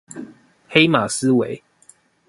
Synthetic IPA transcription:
xe˦ɪma˨˩s̩˦we˨˦ɪ

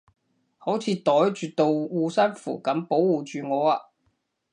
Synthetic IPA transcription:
ho˨˥wt͡sʰiː˨˧t̪ɔː˨˥jt͡ʃyː˨˩t̪o˨˧wwuː˧sɐ˥nfṵː˨˩kɐ˨˥mpo˨˥wuː˨t͡ʃyː˨ŋɔː˨˧aː˧

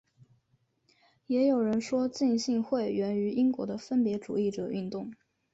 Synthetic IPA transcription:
jɛ˧˥jo˨˩ʊɻə˧˥nʂwɔ˥t͡ɕi˥˧ŋɕi˥˧ŋxwe˥˩ɪɥɛ˧˥ny˧˥i˥ŋkwɔ̰˧˥d̪ə˧fə˥npjɛ˧˥ʈ͡ʂṵ˨˩i˥˩ʈ͡ʂɤ˨˩y˥˧nt̪ʊ˥˩ŋ

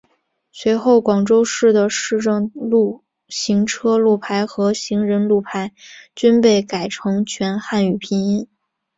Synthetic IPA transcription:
swe˧˥ɪxo˥˩ʊkwɑ˨˩ŋʈ͡ʂo˥ʊʂɻ̩˥˩d̪ə˩ʂɻ̩˥˧ʈ͡ʂɤ˥˧ŋlu˥˩ | ɕi˧˥ŋʈ͡ʂʰɤ˥lu˥˩pʰa˧˥ɪxɤ˧˥ɕi˧˥ŋɻə˧˥nlu˥˩pʰa˧˥ɪt͡ɕy˥npe˥˩ɪka˨˩ɪʈ͡ʂʰɤ˧˥ŋt͡ɕʰɥɛ˧˥nxa˥˩ny˨˩pʰi˧˥ŋi˥n

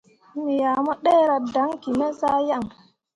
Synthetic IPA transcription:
mi˨ja˨mɔ˦ɗe˦ɾa˨da˨˦ŋki˨mɛ˦za˦ja˦˨ŋ

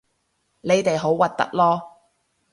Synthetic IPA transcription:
le˨˧jt̪e˨jɦo˨˥wwɐ˨t̚t̪ɐ̰˥k̚lɔː˥

